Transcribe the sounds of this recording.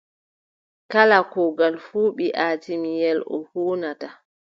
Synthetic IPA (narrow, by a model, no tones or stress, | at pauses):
kalakɔɡalfuːɓiʔaːtimijɛlɔ̰huːnata